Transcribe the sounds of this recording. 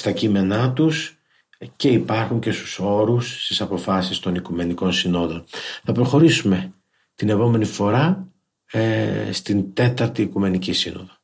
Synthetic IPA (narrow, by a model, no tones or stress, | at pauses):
st̪ɐcime̞nɐt̪us | ce̞ipɐɾxuɲce̞st̪u̥so̞ɾusːt̪isɐpo̞fɐsist̪o̞nikume̞niko̞nsino̞ðo̞nθɐpɾo̞xo̞ɾisume̞ | t̪ine̞po̞me̞nifo̞ɾɐ | st̪int̪e̞t̪ɐɾt̪iːkume̞nicisḭno̞̰ðo̞